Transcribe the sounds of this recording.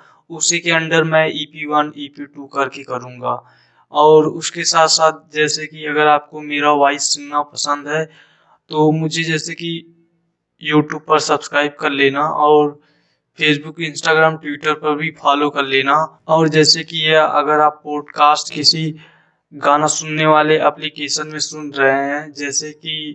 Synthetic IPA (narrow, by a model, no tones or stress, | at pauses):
ʊsikeə̃nɖ̪əɾmɛ̃ʔiːpiwəniːpiʈuːkɐɾkekɐɾũːŋɡaː | ɔːɾʊskesaːt̪saːt̪̚ʰd͡ʒɛːsekiɐɡəɾaːp̚komeːɾaʋaːɪsːʊnnapɐsə̃nd̪ɦɛː | t̪omʊd͡ʒʱed͡ʒɛːseki | juːʈjuːb̚pɐɾsəbskɾaːɪb̚kɐɾleːnaʔɔːɾ | pʰeːs̬bʊkɪ̃nsʈaːɡɾaːmʈwɪʈəɾpɐɾbʱifʰaːlokɐɾleːnaɔːɾd͡ʒɛːsekijeɐ̰ɡəɾaːpːɔːɖkaːsʈkɪsi | ɡaːnasʊnːeʋaːleɐplikeːʃənmẽsʊnɾɐɦeɦɛ̃d͡ʒɛːseki